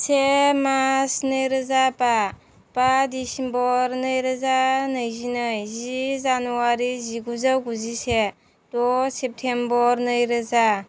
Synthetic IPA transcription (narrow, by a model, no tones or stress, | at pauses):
semasnɯjɾɯzapa | padisinbɔɾnɯjɾɯzanɯjzinɯjzizanuaɾiziɡuzawɡuzise | dɔsep̚tʰembɔɾnɯjɾɯza